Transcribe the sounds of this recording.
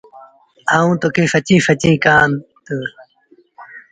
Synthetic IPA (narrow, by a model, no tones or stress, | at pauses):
aːũːt̪okeːfɐt͡ɕĩːfɐt͡ɕĩːkaːnt̪ə